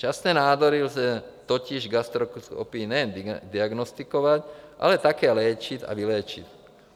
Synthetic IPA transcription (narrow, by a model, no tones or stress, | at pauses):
t͡ʃast̪nɛːnaːd̪ɔɾilzɛt̪ɔciʒɡast̪ɾɔkɔ̰piɲɛjɛnd̪iaɡnɔst̪ikɔʋacʔa̰lɛt̪akɛːlɛːt͡ʃit̪a̰ʋilɛːt͡ʃḭt̪